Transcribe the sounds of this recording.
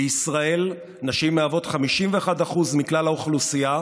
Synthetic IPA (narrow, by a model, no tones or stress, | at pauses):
isʁae̞l | naʃimːeavo̞tχamiʃimveːχadaχuzmiklalauχlusija